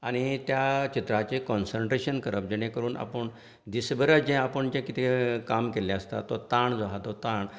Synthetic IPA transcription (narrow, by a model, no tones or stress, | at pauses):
aɽ̃it̪jat͡ɕit̪ɾat͡ɕekɔnsəɳʈɾeɕənkəɾəp̚d͡ʑəɽ̃ẽkəɾuːna̰pəɳ | d̪isbəɾət͡sd͡ʑɛ̃apəɳd͡ʑɛ̃kit̪ʰekamkeljaəst̪a̰t̪ːɔt̪aɳd͡zoɦat̪ɔt̪ãɳ